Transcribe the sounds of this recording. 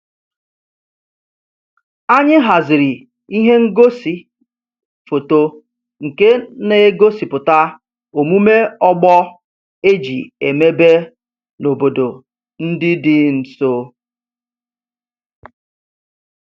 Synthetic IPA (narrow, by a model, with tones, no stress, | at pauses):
a˦ɲɪ˦ɦa˨zɪ˨ɾi˨ | i˦ɦe˦ŋ̩˦ɡo˦si˨ | fo˨to˦ | ŋ̩˨ke˦ne˨˦ɡo˦si˨pʊ˨ta˦ | o˨mu˦me˦ɔ˦ɡ͡bɔ˦ | e˦d͡ʒḭ˨e˨me˦be˦ | no˨bo˨do˨ | n̩˦dɪ˦dɪ˦n̩˨so˦